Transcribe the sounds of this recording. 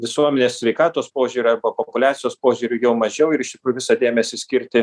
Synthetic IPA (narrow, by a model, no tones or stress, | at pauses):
ʋʲɪsuɔmʲɛnʲeːssʲʋʲɛɪkɑːt̪oːspoːʒʲuːɾʲʊɐɾbɐpopʊlʲæːt̪ʲɪjoːspoːʒʲuːɾʲʊjɛʊmɐʒʲɛʊɪɾɪʃt̪ʲɪkɾuːjʊʋʲɪsɐd̪ʲeːmʲɛsʲɪsʲkʲɪɾʲt̪ʲɪ